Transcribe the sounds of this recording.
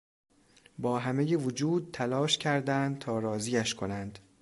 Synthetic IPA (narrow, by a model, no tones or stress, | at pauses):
bɒːɦæmejevod͡ʒuːd̪̚t̪ʰælɒːʃcʰæɾd̪ænd̪̚t̪ʰɒːɾɒːziːæʃkʰo̞nænd̪̥